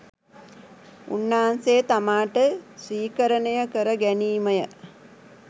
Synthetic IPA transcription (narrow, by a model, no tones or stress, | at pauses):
ṵnːaːansejːt̪amaːʈəsiːkəɾənəjəkəɾəɡæniːməjə